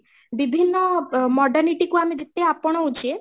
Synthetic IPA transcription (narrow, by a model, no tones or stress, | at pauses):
bibʱinːɔmɔɖaɾniʈikuamed͡ʒet̪eapɔɽ̃ɔut͡ʃʰie